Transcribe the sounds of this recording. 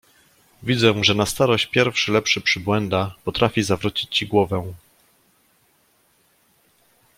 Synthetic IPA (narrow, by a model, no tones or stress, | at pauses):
vʲid̪zɛ̃ʐɛnast̪aɾɔɕt͡ɕpʲjɛɾfʂɘlɛpʂɘpʂɘbwɛnd̪apɔt̪ɾʔafʲizavɾut͡ɕit͡ɕt͡ɕiɡwɔvɛ̃